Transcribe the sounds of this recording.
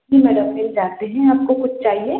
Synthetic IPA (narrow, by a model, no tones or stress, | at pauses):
imɛɖəmmɪld͡ʒaːt̪eɦɛ̃aːp̚kokʊt͡ʃʰt͡ʃaːɦie